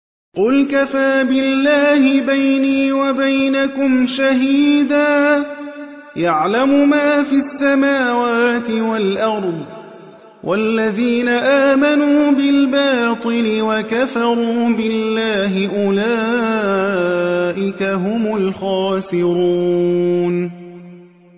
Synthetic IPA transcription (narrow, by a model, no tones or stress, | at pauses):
qʊlkafaːbɪlːaːhɪbajniːwabajnakʊmʃahiːd̪aː | jaʕlamʊmaːfisːamaːwaːt̪ɪwalʔɑɾˤd̪ˤ | wʔalːaðiːnaʔaːmanuːbɪlbɑːt̪ˤɨlɪwakafɑɾˤuːbɪlːaːɦɪʔʊlaː | ʔɪkaɦʊmʊlxɑːsɪɾuːn